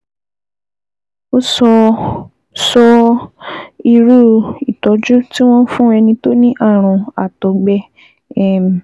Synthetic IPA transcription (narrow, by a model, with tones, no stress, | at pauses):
o˦sɔ˧ | sɔ˧ | i˧ɾu˦i˨tɔ˨˦d͡ʒu˦ti˦w̃ɔ̃˦fũ˦ɛ˧nĩ˧to˦nĩ˦ʔa˦˨ɾ̃ũ˧˨a̰˨tɔ˨˦ɡ͡bɛ˦ | ɛ˦m˨